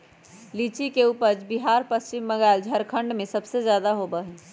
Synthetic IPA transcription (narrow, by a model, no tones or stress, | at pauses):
lit͡ʃikeupəɾd͡ʒbiɦaɾpəst͡ʃimːəɡaɪld͡ʒʱəɾkʰəɳɖmesəbsed͡ʒjad̪aɦobəɦɛ